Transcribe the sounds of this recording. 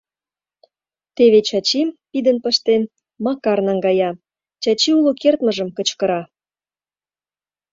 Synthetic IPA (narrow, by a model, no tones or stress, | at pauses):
t̪eβet͡ɕɑt͡ɕimpid̪ənpəʃt̪en | mɑkɑrnɑŋɡɑjɑ | t͡ɕɑt͡ɕiulokert̪məʒə̆mkə̆t͡ɕkə̆ɾɑ